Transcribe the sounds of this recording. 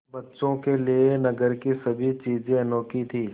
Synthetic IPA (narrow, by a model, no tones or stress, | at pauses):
bɐtːʃõkelienɐɡəɾkisɐbʱit͡ʃiːzẽɐnoːkit̪ʰiː